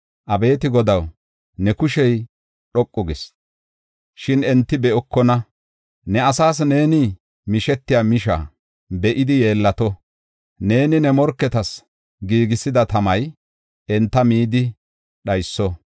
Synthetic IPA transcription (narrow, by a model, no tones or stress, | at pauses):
ʔɐbe̞ːt̪ɪɡɔd̪ɐw | nɛkʊʃɛj | ɗɔkʼːɔɡɪs | ʃɪnɛnt̪ːɪbɛɔkːɔnɐ | nɛɐsaːs̬ne̞ːnɪ | mɪʃɛt̪ːɪjaːmɪʃa̰ | bɛʔɪd̪ɪje̞ːlːɐt̪ɔ | ne̞ːnɪnɛmɔɾkːɛt̪ɐs | ɡiːɡɪsɪd̪ɐt̪ɐmɐj | ɛnt̪ːɐmiːd̪ɪ | ɗɐjsːɔ